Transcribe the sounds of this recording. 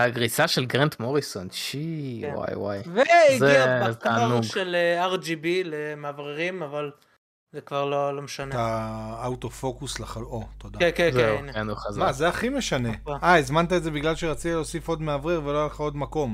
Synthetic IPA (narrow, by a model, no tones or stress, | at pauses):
aɡʁisaʃelɡʁent̪moʁisonʃiwa̰jwa̰jveiɡzet̪aːnuɡʃeleaʁd͡ʒibilemeavʁeʁimaval | zekvaʁlolo̞meʃaneaaut̪ofo̞kuslaχalot̪od̪akezeukenuχazmazeaχimeʃaneajzmant̪aedze̞biɡlalʃeʁat͡sitileosifo̞d̪meavʁeʁve̞loalχao̞d̪mako̞m